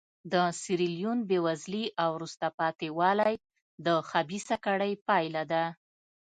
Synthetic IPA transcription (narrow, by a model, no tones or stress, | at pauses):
d̪əsiɾiljunbewazliʔawɾust̪apɑt̪ewɑlaj | d̪əxabisakaɽəjpɑjlad̪a